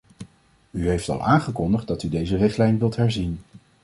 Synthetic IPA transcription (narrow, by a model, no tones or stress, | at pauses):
yɦejftɑ̰lˠaːnχəkɔndəχdɑtydejzərɪχtlɛjnʋɪlˠtɦɛɹzin